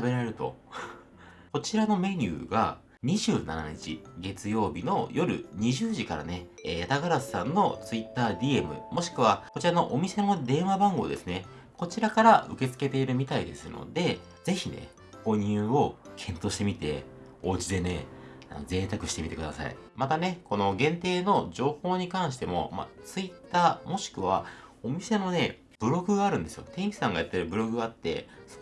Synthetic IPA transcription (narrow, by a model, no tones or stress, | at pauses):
abeɾaɾeɾɯ̟t̪o̞̰ | ko̞t͡ɕiɾano̞me̞ɲʲɯ̰ːɡa | ɲ̟iʑɨːna̰naɲ̟it͡ɕiɡe̞t͡sɨjo̞ːbʲino̞jo̞ɾɯ̟̰ɲ̟iʑɨːʑikaɾa̰ne̞eːjat̪aɡaɾasɨ̥sãnːo̞t͡sɨit̪ːaːd̪ʲie̞mɯ̟̰mo̞ɕi̥kɯ̟βako̞t͡ɕiɾano̞ʔomʲise̞no̞d̪ẽ̞ɰ̃abãŋɡo̞̰ːd̪e̞sɨne̞ | ko̞t͡ɕiɾakaɾaʔɯ̟̰ke̞t͡sɨ̥ke̞t̪e̞iɾɯ̟mʲit̪aid̪e̞̰sɨno̞̰d̪e̞ | z̥e̞çine̞̰ | ɡo̞ɲ̟ɯːo̞kʰẽ̞nt̪o̞ːɕi̥t̪e̞mʲit̪e̞̰ | o̞ːt͡ɕid̪e̞ne̞ | a̰no̰zẽ̞nt̪akɯ̟̥ɕi̥t̪e̞mʲit̪ekɯ̟d̪a̰sa̰ḭmat̪ane̞ko̞no̞ɡẽ̞nt̪e̞ːno̞ʑo̞ːho̞ːɲ̟ikãɰ̃ɕ̬i̥t̪e̞mo̞̰ma̰t͡sɨit̪ːaːmo̞ɕi̥kɯ̟βao̞mʲise̞no̞ne̞ | b̥ɯ̟ɾo̞ɡɯ̟ɡaaːɾɯ̟̃nd̪e̞sɨjot̪ẽ̞ɰ̃kʲi̥sãŋɡajat̪ːeɾɯbɯ̟ɾo̞ɡɯat̪ːe̞̰